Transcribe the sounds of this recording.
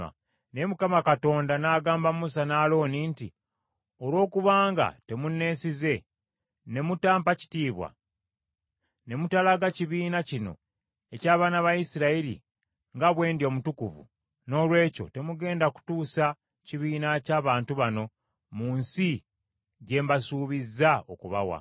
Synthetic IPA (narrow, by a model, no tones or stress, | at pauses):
nemukamakato̞ːndanaːɡaːmbamusanaːlo̞ːninti | olwo̞ːkuβaːŋɡa̰te̞munːe̞ːsize̞ | ne̞mutaːmpaci̥tiːβwa̰ | ne̞mutalaɡaciβiːnacino̞̰ | e̞caːβaːnaβajisiɾaelḭ | ŋɡaβwe̞ːndjo̞mutukuvṵ | no̞ːlwe̞ːco̞̰te̞muɡe̞ːndaku̥tuːsa | ciβiːnacaːβaːntuβano̞ | muːnsi | ɟe̞ːmbasuːβizːaokuβa̰wa̰